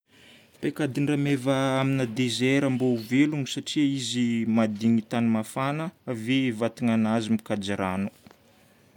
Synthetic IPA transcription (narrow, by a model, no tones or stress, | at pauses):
pekad̪iɳɖ͡ʐamevaaminəd̪ezeɾambouveluŋisaʈ͡ʂiizimad̪iɲit̪anumafanəːvevat̪iŋanazimikad͡ʒiɾanu̥